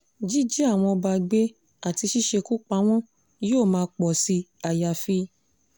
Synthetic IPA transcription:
d͡ʒi˦d͡ʒi˦a˦˨w̃ɔ̃˧ba˧˨ɡ͡be˦ | a˦˨ti˧ʃi˦ʃe˧ku˦k͡pa˧˦w̃ɔ̃˦ | joː˦˨mãː˧k͡pɔ˨si˧a˨ja˨fi˦

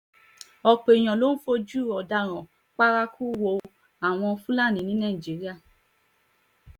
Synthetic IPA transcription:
ɔ˧k͡pe˨j̃ɔ̃˨lo˦n̩˦fo˧˦d͡ʒu˦˨ɔ˨da˧ɾ̃ɔ̃˨ | k͡pa˦ɾa˦ku˦wo˧˨ | a˨w̃ɔ̃˧fũ˦la˦˨nĩ˨˦nĩ˦nã˦i˨d͡ʒi˨˦ɾi˦a˦˨

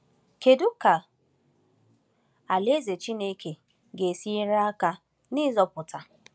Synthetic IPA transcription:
ke˨du˦ka˨ | a˨le˦ze˨t͡ʃi˦ne˦kʰe˨ | ɡe˨si˦ɾa˦ka˦ | nɪ˦zɔ˨pʊ˨ta˨

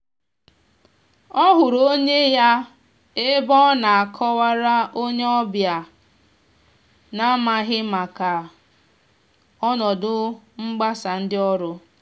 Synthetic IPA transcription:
ɔ˦ɦʊ˨ɾo˦ɲe˦ja˦ | e˦bɔ˦na˨a˨kʰɔ˦wa˦ɾa˦ʔo˦ɲe˦ɔ˦bja˨ | na˦ma˨ɦɪ˦ma˨ka˨ | ɔ˦nɔ˨dʊ˦ŋ͡m̩˦ɡ͡ba˦sa˨n̩˦dɪ˦ɔ˦ɾʊ˦

